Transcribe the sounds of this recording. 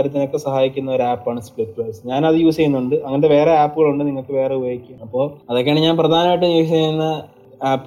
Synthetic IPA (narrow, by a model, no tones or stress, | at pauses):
ɾɐt̪ːino̞kːesɐhaːjikʲːunːɐo̞ɾaːpːaːɳɨspɭiʈ̚ːplɐsɨ̥ɲaːnɐðɨjuːsejunːuɳɖɨɐŋːɐnɐdeʋe̞ːreaːpːuɣɐɭuɳɖɨniŋːɐɭkːɨʋe̞ːreubɐjikʲːuɐpːo̞ːɐðokːeaːɳiɲaːnprɐd̪ʱaːnɐmaːjiʈ̬ːejuːejunːɐ | aːpː